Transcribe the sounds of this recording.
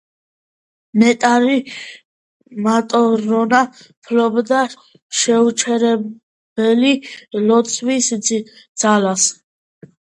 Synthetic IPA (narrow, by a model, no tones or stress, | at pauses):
mɛt̪ʼaɾi | mat̪ʼɔɾɔna | pʰlɔbd̪a | ʃɛut͡ʃʰɛɾɛ | b̥ɛlilɔt̪sʰwis | d̪z̥alas